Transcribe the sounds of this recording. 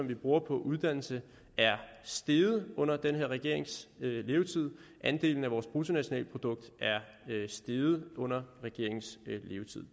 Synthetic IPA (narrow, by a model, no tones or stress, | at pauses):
ɒ̽mʋib̥ʁuːɐpʰɒ̽ʔuð̞ˠd̥æn̰l̩sə | æɐsd̥e̝ð̩ˠɔ̽n̰ɐd̥enɦeɐ̰ʁɛɡ̥e̝ɐ̰e̝ŋsle̝ːʊt͡sʰið̰ˠʔænd̥e̝̰ːln̩æʋɒːsb̥ʁut͡sʰo̝næɕonɛ̰ːləpʰʁo̝d̥ɔ̽ɡ̥̚d̥æɐ | sd̥e̝ð̩ˠɔ̽n̰ɐʁɛɡ̥e̝̰ɐ̰eŋsle̝ːʊt͡sʰið̞̰ˠ